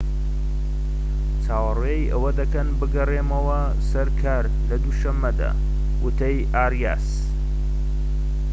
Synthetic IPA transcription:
t͡saːwɐrwejʔɐwɐd̪ɐkɐnbɨɡɐreːmɐwɐ | sɐɾkʰaːɾ | lɐd̪uʃɐmːɐd̪a̰ː | wɨt̪ʰɐjʔaːrja̰ːs

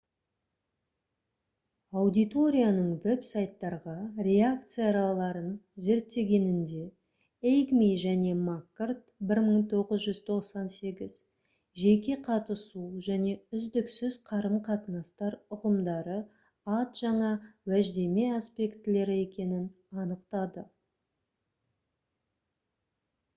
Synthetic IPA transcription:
ɑwd̪ijt̪o̞ɾʲijanəɴve̞psajt̪ːɑɾʁɑɾe̞ak̚t̪sɨjɑɾɑlˠɑɾənʒe̞ɾt̪ːe̞ɡʲe̞nɪnd̪e̞ | ejkmijʒæne̞makːrt̪bɪɾməɴt̪ʰo̞ʁəzʒʏzt̪ʰo̞qsɑnse̞ɡʲɪz̥ | ʒe̞kʲe̞qʰɑt̪əsuʒæne̞ʏzd̪ɪksʏzqʰɑɾəmqʰɑt̪ənɑst̪ɑɾʊʁəmd̪ɑɾə | ɑt̪ʒ̥ɑɴɑwæʒd̪e̞me̞aspe̞kt̪ɪle̞ɾɪe̞kʲe̞nɪn | ɑnəqt̪ɑd̪ə

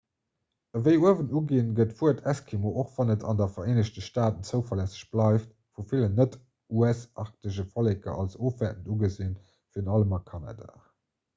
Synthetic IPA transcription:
əvəɪuəvəntuɡiːnɡətfuəɐtʰæskʰimoʔoχvɑnətʰɑ̰ndɐfɐʁeːnəɕtəʃtaːtənt͡səʊfɐlæsə̥ɕb̥lɑɪft | fufilənət | uæsʔɑʁk̚təʑəfɑlekɐ̰ʔɑlsoːfvætəntuɡəzin | fiːɐənɑləmɑkʰɑna̰ːda̰ː

